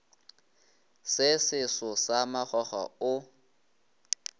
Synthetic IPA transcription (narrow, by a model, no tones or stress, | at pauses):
sɪsɪsɔsamaχɔχa̰ʊ